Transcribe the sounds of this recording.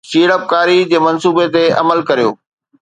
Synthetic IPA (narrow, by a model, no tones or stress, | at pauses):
ʃiːɽəp̚kaːɾid͡ʑeːmɐnsuːbet̪eɐ̰məlkɐɾijo̰ː